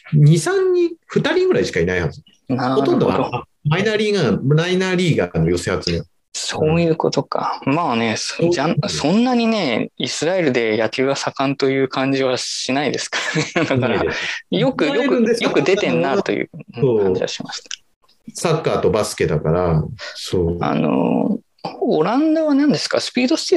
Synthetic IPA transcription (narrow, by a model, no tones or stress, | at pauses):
ɲ̟isãɲʲːĩɸɯ̟t̪aɾʲĩŋɡɯ̟ɾaiɕi̥kainaiha̰ɨ | naɾoɾt̪õnd̪ooad̪oa | mainaɾʲiːɡamɾainaɾʲiːɡanojo̞seat͡sɨme | soːjɯ̟ːko̞t̪o̞kʰa̰maːne̞sasõ̞nːaɲ̟ine̞isɨɾaeɾɯ̟d̪e̞jak̪ʲiːɡasakãnt̪o̞jɯ̟ːkʰãɲ̟d͡ʑiβaɕinaid̪e̞sɨ̥kḁd̪akaɾjo̞kɯ̟jokɯjo̞kɯ̟d̪e̞t̪ẽ̞nːat̪o̞̰jɯ̰ːoãɲd͡ʑḭβa̰ɕimaɕi̥t̪ḁ | sakːaːt̪o̞basɨ̥ke̞d̪akaɾasoːa̰no̞̰ | oɾãnd̪aβanãnd̪e̞sɨ̥ka̰sɨ̥pʲiːd̪o̞sɨ̥t̪i